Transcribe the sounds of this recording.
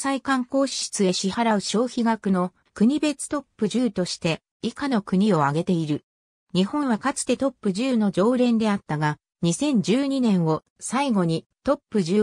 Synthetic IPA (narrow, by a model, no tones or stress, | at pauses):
saikãŋko̞ːɕi̥ɕi̥t͡sɨe̞ɕihaɾaɯ̟ɕo̞ːçiɡakɯ̟no̞ | kɯ̟ɲ̟ibe̞t͡sɨ̥t̪o̞pːɯ̟ʑɨːt̪o̞ɕi̥t̪e̞ | ikano̞kɯ̟ɲ̟io̞aɡe̞t̪e̞iɾɯ̟ | ɲ̟ihõ̞ɰ̃βakat͡sɨ̥t̪e̞t̪o̞pːɯ̟ʑɨːno̞d͡ʑo̞ːɾẽ̞nd̪e̞at̪ːaɡa | ɲ̟isẽ̞ɲ̟d͡ʑɨːɲ̟inẽ̞ɰ̃o̞ | saiɡo̞ɲ̟it̪o̞pːɯ̟ʑɨː